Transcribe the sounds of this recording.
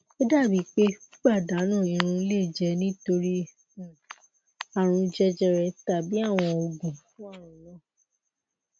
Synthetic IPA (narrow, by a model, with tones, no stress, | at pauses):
o˦da˦˨bi˨˦k͡pe˦ɡ͡ba˦˨da˨˦nãː˦˨ĩ˨˧ɾ̃ũ˧˦le˦˨d͡ʒɛ˧nĩ˦to˧ɾi˦˨ | a˨ɾ̃ũ˧d͡ʒɛ˧d͡ʒɛ˧ɾɛ˧ta˨bi˨˦a˦˨w̃ɔ̃˧o˧ɡũ˨fũ˦ã˦˨ɾũ˨˧lɔ̃˦